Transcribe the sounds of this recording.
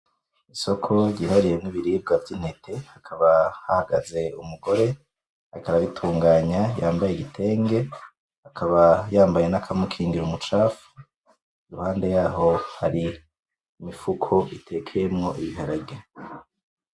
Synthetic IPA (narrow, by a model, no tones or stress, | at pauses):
iso̞kʰo̞ɟihaɾije̞niβiɾiːb̚ɡavɟin̥he̞tʰe̞hakʰaβahahaɡaze̞umuɡo̞ɾe̞ | haikaɾaβitʰuːŋɡaːɲajaːmbajeɡitʰe̞ːŋɡe̞ | hakʰaβajaːmbaje̞nakʰamukʰiːŋɡiɾumut͡ʃaːfu̥ | iɾuhaːnde̞jaːɦo̞haɾi | mifukʰo̞itʰe̞kʰejemŋo̞ʔiβiɦaɾabɟa